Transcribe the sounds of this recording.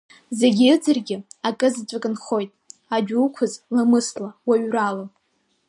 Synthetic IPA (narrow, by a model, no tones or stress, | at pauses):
zeɡʲid͡zɨrɡʲɪakʼɨzt͡ʃʷʼakʼɨnχo̞jtʼad͡ʒᶣukʷʰʊzlamɨslawaɥrala